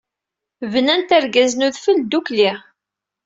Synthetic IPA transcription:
vənænt̪æɾɡæznuðfəld̪ukliʁ

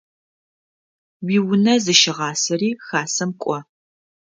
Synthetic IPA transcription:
wiːwʊnɐzɨʃɪʁɑːsɐriːxaːsɐmkʷʼɔ

